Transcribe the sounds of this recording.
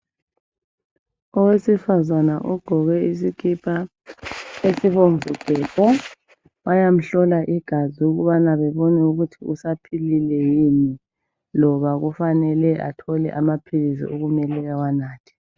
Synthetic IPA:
ɔwesifazanaʔuɡ̥ʱɔɣɛisikʰʼipʰʼa | esiβoɱvʱuɡ̥ʱɛːpʼɔ | wajam̩ɬɔlaʔiɡ̥ʱaziuɣuβanaβɛβɔnɛuɣutʰiusapʰililɛjini | lɔβaɣufanɛlɛʔa̰tʰɔlɛ̰ʔamapʰilis̬ḭʔuɣumɛlɛɣawanaːtʰi̥

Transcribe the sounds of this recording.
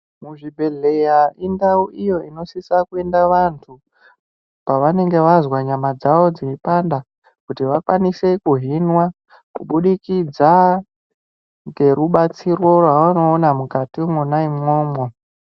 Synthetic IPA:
muʐibʱe̞ɮejaʔindauʔijo̞ino̞sisakue̞ndaʋantʰu | paʋane̞ŋɡe̞ʋazwaɲamad͡zaʋo̞d͡ziipanda | kutiʋakwanise̞kuɦinwa | kuɓuɗikid͡za | ŋɡe̞ruɓat͡sirwo̞rwaʋano̞ːnamukatimunaimŋo̞ːmwo

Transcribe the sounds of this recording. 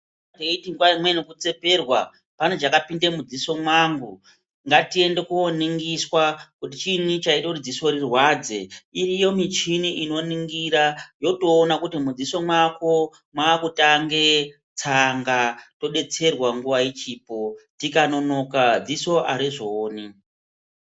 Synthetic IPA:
teitiŋɡwaimwenukut͡se̞pe̞rwa | pane̞ʐakapinde̞mud͡ziso̞mwaŋɡu | ŋɡatie̞nde̞kuoniŋɡiswakutit͡ʃinit͡ʃaitakutid͡ziso̞ɾirwad͡ze̞̰irijo̞mit͡ʃiniʔino̞niŋɡiɾajo̞to̞ːnakutimud͡ziso̞mwako̞ | mwaːkutaŋɡe̞ | t͡saŋɡato̞ɗe̞t͡se̞rwaŋɡuʋait͡ʃiːpo̞tikano̞no̞kad͡ziso̞ʔa̰ɾiʐoːni

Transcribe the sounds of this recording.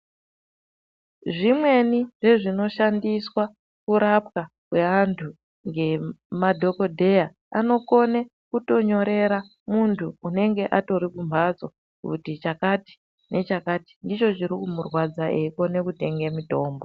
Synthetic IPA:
ʐimwe̞niʐe̞ʐino̞ʃandiswa | kuɾap̚ka | kwe̞ʋantʰu | ŋɡe̞madʱo̞ko̞dʱe̞ja | ano̞ko̞ne̞ | kuto̞ɲo̞ɾe̞ɾa | muntʰuːne̞ŋɡe̞ʔato̞ɾikumbad͡zo̞ | kṵtit͡ʃakati̥ | nʔe̞t͡ʃakaːti̥ndit͡ʃo̞t͡ʃiɾikumurwad͡zaʔeiko̞ne̞kute̞ŋɡe̞mito̞ːmbo

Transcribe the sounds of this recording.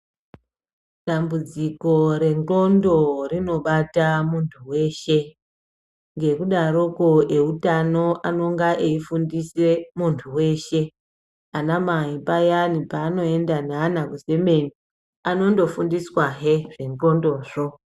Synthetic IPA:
ɗambud͡ziko̞ɾe̞ŋɡo̞ndo̞rino̞ɓatamuntʰuwe̞ːʃe̞ | ŋɡe̞kuɗaɾokoʔeutano̞ʔano̞ŋɡaʔeifundisemuntʰuwe̞ːʃe̞ | anamaipajanipaːno̞e̞ndanaːnakuze̞me̞ni | ano̞ndo̞fundiswaɦeʐeŋɡo̞ndo̞ːʐo̞

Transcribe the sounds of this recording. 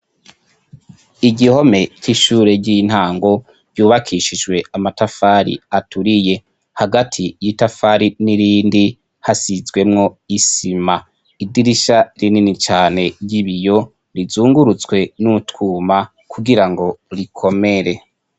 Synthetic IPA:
iɟiho̞me̞ciʃuːɾe̞ɟin̥haːŋɡo̞ | ɟ̥uːβakʰiʃid͡ʒwe̞amatafaɾḭatʰuɾije̞ | haɡatʰijitafaɾiniɾiːndi | hasizɡwe̞mŋo̞isima | idiɾiʃaɾininit͡ʃaːne̞ɾɟiβijo̞ | ɾizuːŋɡuɾut͡sɡwe̞nuutkʰuːma | kʰuɡiɾaŋɡo̞ɾikʰo̞me̞ɾe̞

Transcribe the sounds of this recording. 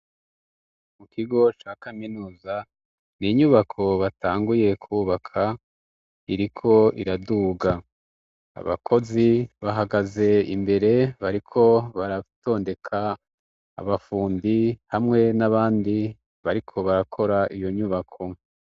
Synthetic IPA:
mukʰiɡo̞t͡ʃakaminuːza | niɲuβakʰo̞βataːŋɡuje̞kʰuβakʰa | iɾikʰo̞iɾaduːɡa | a̰βa̰kʰo̞ziβaɦaɡaze̞imbe̞ɾe̞βaɾikʰo̞βaɾato̞ːnde̞kʰa̰ː | βafuːndihamŋe̞naβaːndi | βaɾikʰo̞βaɾakʰo̞ɾaʔijo̞ɲuβakʰo̞

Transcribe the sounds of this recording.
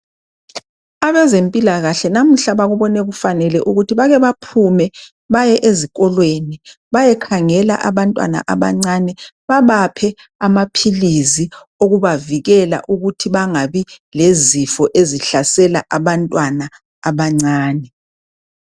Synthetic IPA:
aβɛzempʼilaɣaɬɛnam̩ɬaβaɣuβɔnɛɣufanɛlɛʔuɣutʰiβaɣɛβapʰumɛ | βajɛʔezikʼɔlweni | βajɛkʰaŋɛla̰ʔaβantʼwa̰na̰ʔaβa̰ŋ͡ǀanɛ | βaβapʰɛ | amapʰilizi | oɣuβaviɣɛla̰ʔuɣutʰiβaŋaβilezifɔʔeziɬasɛlaʔaβantʼwanaː | βaŋ͡ǀaːnɛ

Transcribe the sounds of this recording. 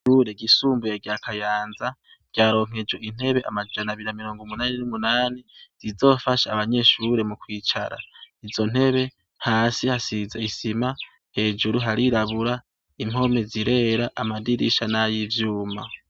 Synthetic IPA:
uɾe̞ɡisuːmbujaɡakʰajaːnza | ɟ̥jaːɾo̞ːŋ̥e̞d͡ʒo̞ʔin̥he̞βe̞ʔa̰mad͡ʒanaβiɾinamiɾo̞ːŋɡumunaːninumunaːniz̥izo̞ːfaʃaːβaɲe̞ʃuɾe̞mukwiːt͡ʃaɾa̰izo̞n̥he̞βe̞ | haːsihasizaisima | he̞ːd͡ʒuɾuɦaɾiɾaβuɾa | im̥ho̞me̞ziɾe̞ɾaʔamadiɾiʃanajivjuːma̰

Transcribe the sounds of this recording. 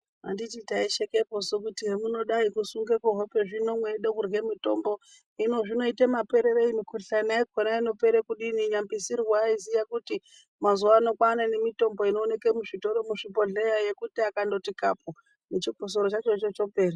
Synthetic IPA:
a̰ndititaiʃekepo̞sok̬utiɦemuno̞ɗaikusuŋɡekoɦope̞ʐino̞mweɗokurɣe̞mito̞mbo̞ | ino̞ʐino̞itemape̞ɾe̞ɾeimikuɬanaiɡʱonaino̞pe̞ɾekuɗiniɲambisirwaizijakuti | mazuwaːno̞kwanane̞mito̞mbo̞ino̞ːne̞kemuʐito̞ɾo̞muʂipo̞ɮe̞jaje̞kutiakando̞tikapo | mut͡ʃiɡʱos̬oɾot͡ʃat͡ʃot͡ʃot͡ʃo̞pe̞ːre

